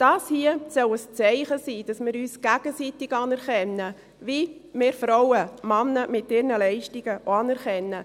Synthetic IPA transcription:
d̥ɑːshiəsœləst͡sɛɪχəsiːd̥ɑsmɪɾyːsɡ̥æɡ̥əsitɪɡɑːnɛɾχɛnːə | vimɪːɾfɾɔwəmɑnːəmɪtɪɾnəlɛɪʃtɪɡ̥əʔoɑnɛɾχɛnːə

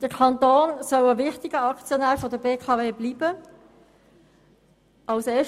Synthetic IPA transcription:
d̥əkʰɑnt̪oːnsœwəʋɪχtɪɡəɑkt͡sjɔnæːɾfɔdəbeːkʰɑːveːbliːb̥ə | ʔɑlseː

